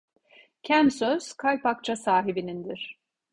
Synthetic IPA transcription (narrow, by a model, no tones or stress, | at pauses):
cʰænsøz̥kʰajpak̚t͡ʃʰasaːɦibinind̪iɾ̥